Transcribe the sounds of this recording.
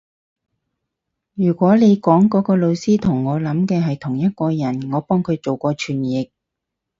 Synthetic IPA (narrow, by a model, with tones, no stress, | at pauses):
jyː˨˩kʷɔː˨˥le˨˧jkɔː˨˥ŋkɔː˨˥kɔː˧lo˨˧wsiː˥t̪ʰʊ˨˩ŋːɔː˨˧lɐ˨˥mkɛː˧ɦɐ˨jt̪ʰʊ˨˩ŋjɐ˥t̚kɔː˧jɐ˨˩nŋɔː˨˧pɔː˥ŋkʰɵ˨˧ɥt͡so˨wkʷɔː˧t͡ʃʰyː˨˩njɪ˨k̚